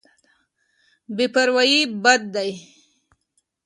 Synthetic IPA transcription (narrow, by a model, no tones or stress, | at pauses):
bepaɾwajibad̪̚ːaj